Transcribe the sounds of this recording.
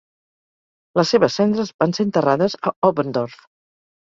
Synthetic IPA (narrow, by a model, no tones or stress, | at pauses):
ləseβəsːɛnd̪ɾəzbanseənt̪əraðəzəoβənd̪oɾf